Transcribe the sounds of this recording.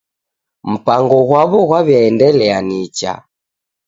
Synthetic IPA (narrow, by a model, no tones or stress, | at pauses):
m̩paŋɡɔɣwaβɔɣwaβjaɛndɛlɛanit͡ʃa̰